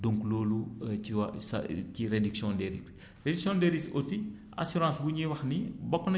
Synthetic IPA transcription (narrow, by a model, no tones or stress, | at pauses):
doŋkuloːluiwsciɾediksjɔ̃ndeɾis | rediksɔ̃ndeɾisoti | a̰suɾãːsbuɲiwɐxnibɔkːnɐ